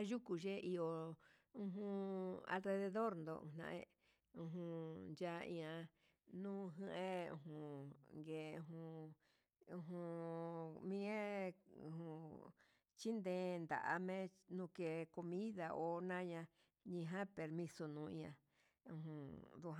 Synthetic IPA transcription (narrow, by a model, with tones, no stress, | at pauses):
a˦ʒu˦ku˧ʒe˦ʔi˧o˧ | ũ˧ɦũ˧a̰˧lɾe˧ðe˧ðo˦ɾnd̪õ̰˧˨nã̰˧ʔḛ̃˦˧ | ũ˧ɦũ˧nd͡ʒa˧ḭ̃˧ã˧ | nũː˦ɦɨ̃˧˦ʔẽ˦ṵ̃˧˨ɦũ˧˨ŋɡe˨˧ũ˧ɦũ˧ | ũ˧ɦũ˧ | mĩ˦ẽ˦ṵ̃˧hũ˧ | t͡ʃi˦nd̪ẽː˧˦nd̪a̰˨ʔa˧mẽ˦nũ˧ke˧ko˧mĩ˦ða˧ʔo˨˦nã˦ɲã˧ | ɲĩ˧ɦã˦pe˨ɾmĩ˧so˧nũː˨˧ĩ˧ã̰˧ | ũ˧ɦũ˧d̪u˧ɦ